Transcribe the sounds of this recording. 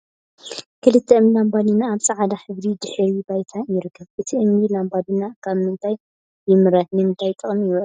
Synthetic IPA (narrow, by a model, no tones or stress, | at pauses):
kʰɨlɨt̪ʰːɛɨmlambanɨnaːβsʼɐʕad̪aħɨβd̪id̪ɨħɾibajt̪ʰajɪɾɨkʰːɐβʔɨt̪ʰiʔɨmilambadɨnakʰaβmɨnt̪ʰaj | bɨmɨɾɐt̪nɨmɨnt̪ʰajt̪ʼɨχʼmi